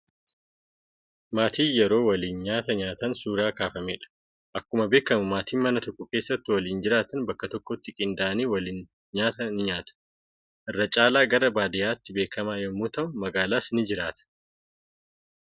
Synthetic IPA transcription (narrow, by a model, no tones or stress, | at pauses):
maːt̪iːjɛɾo̞ːwɐliːnɲaːt̪ɐɲaːt̪ɐnsuːɾaːkaːfɐmeːᶑɐ̥ | ʔɐkːʊmɐbe̞ːkːɐmʊmaːt̪iːmɐnɐt̪ɔkːʊke̞ːsːɐt̪ːɪwɐliːnd͡ʒɪɾaːt̪ɐnbɐkːɐt̪ɔkːɔt̪ːɪkʼɪnd̪aʔɐniːwɐliːn | ɲaːt̪ɐnɪɲaːt̪ɐ̥ | ʔɪrːɐt͡ʃʼaːlaːɡɐɾɐbaːd̪ɪjaːt̪ːɪbeːkɐmaːjɛmːuːt̪ɐʊnmɐɡaːlaːsɪnɪd͡ʒɪɾaːt̪ɐ̥